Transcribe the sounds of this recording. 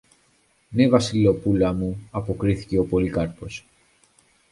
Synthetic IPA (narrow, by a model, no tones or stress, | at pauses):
ne̞vɐsilo̞pulɐmuɐpo̞kɾiθi̥ce̞o̞po̞likɐɾpo̞s